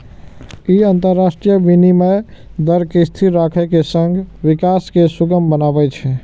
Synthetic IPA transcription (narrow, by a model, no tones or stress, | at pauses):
iənt̪əɾːasʈɾijəbinimed̪əɾkest̪ʰiɾɾakʰɛkesəŋɡʋikaskesuɡəmbənabɛt͡ʃʰɛ